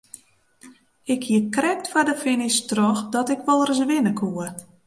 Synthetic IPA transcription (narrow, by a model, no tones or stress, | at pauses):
ɪkʰhiəkrɛk̚tfadəfɪnistrɔxdɔtɪkʋɔlˠərəsʋɪnəkʰuə